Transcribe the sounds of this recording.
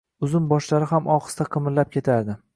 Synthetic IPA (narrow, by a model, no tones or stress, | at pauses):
ʊzʊmbɒʃlaɾɪɦamʔɒχɨ̥st̪aqʰɨmɪlːap̚kʲʰe̞t̪ʰaɾd̪ɪ